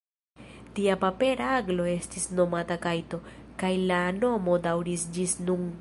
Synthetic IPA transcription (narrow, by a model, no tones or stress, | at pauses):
tiapape̞ɾaaɡlo̞e̞stisno̞matakajto̞kajlano̞mo̞dawɾisd͡ʒisnun